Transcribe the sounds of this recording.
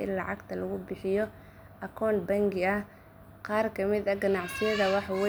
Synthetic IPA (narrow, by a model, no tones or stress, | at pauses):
ʔɪ̰nlɑʕɑɡt̪ʰɐlɐɣʊbɪħɪjɔ | ʔɐkʰɔːnbɐŋɡɪɐ | qɑːrkʰɐmɪd̪ɐɡɐnɑʕsɪjɐðɐwɑħwɛ